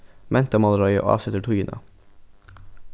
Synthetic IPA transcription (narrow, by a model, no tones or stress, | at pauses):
mʔɛnt̪əmɑləɾɑʏə̰ʔʔɑ̰ːsɛt̪əʈʰuənʔə̰